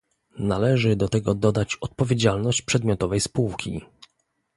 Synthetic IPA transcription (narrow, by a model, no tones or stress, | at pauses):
nalɛʐɘd̪ɔt̪ɛɡɔd̪ɔd̪at͡ɕɔt̪̚pɔvʲjed͡ʑalnɔɕt͡ɕpʂɛd̪mʲjɔt̪ɔvɛjspuwkʲʰḭ